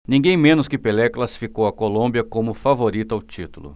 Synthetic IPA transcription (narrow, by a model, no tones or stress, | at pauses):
nĩɡẽj̃mẽnʊskɪpelɛklasi̥fikowɐkolõbiɐkõmʊfavoɾit̪ʊawt͡ʃit̪ulʊ̰